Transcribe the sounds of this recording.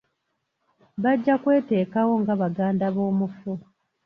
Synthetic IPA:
βaɟːakwe̞ːte̞ːkawo̞ŋɡaβaɡaːndaβo̞ːmufu

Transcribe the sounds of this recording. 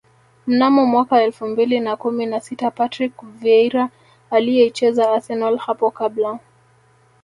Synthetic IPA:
m̩namɔmwakaɛlfumbilinakuminasitapatɾikvɛɾaː | lijɛit͡ʃɛzaasɛnalhapɔkabla

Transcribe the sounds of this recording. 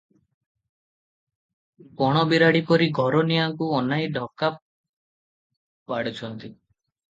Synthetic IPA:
pɔɽ̃ɔbiɾaɽipɔɾiɡʱɔɾɔnijaŋkuɔnajɖʱɔkap | paɽit͡ʃʰɔnt̪i

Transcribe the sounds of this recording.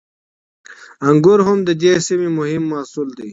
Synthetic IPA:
ɐŋɡuɾɦʊmd̪əd͡ʑesimimʊɦimːaːsuld̪iː

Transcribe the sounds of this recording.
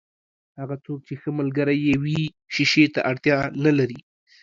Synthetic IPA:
haɣat͡sok̚t͡ʃexəmalɡəɾajewi | ʃiʃet̪a̰ʔaɽt̪jɑnalaɾi

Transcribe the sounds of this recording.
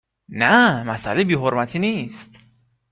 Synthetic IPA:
næmæsæ̰lebiːɦoɾmæt̪ʰiːniːst̪

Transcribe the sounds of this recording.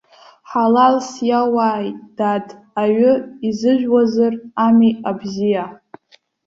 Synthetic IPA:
ħalalsjawaːjʼd̥atʼ | aɥʊizɨʒʷᶣwazɨramiabzija

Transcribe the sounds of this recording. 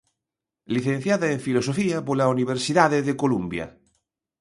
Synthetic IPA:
liθen̟θjaðaeɱfilos̬ofiapolauniβ̞eɾsiðaðeðekolumbja̰

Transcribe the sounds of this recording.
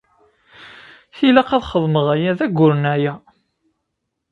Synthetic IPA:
θilæqæðχəðˤməʁæjæðæɡʷːʊɾənæjæ

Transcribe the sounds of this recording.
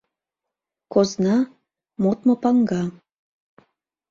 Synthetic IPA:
koznɑ | mot̪mopɑŋɡɑ

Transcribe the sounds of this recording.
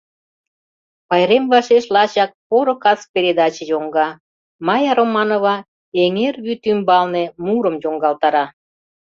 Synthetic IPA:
pɑjɾemvɑʃeʃlɑt͡ɕɑk̚poɾokɑs̚peɾʲed̪ɑt͡ɕĕjoŋɡɑ | mɑjɑɾomɑnoβɑ | eŋerβyt̪ymbɑlnemuɾəmjoŋɡɑlt̪ɑɾɑ

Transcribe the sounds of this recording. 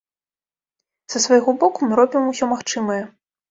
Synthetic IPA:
z̥ɐsvajɣɔbɔkumɨɾɔbʲimusʲɔmaxt͡ʂɨmɐjɛ

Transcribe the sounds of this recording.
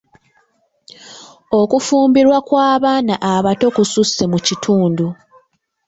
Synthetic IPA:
o̞kufuːmbiɾwakwaːβaːnaʔaβato̞kususːe̞mucitʰuːndu

